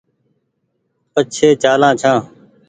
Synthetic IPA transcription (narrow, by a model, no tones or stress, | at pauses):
pət͡ʃʰeːt͡ʃaːlãːt͡ʃʰãː